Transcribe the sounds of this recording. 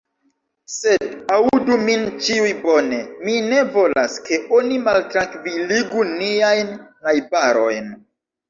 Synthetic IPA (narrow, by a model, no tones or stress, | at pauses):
se̞daudumint͡ʃiujbone̞mine̞vo̞la̰ske̞ʔonimaltɾaŋkviliɡuniajnː | ajbaɾo̞jn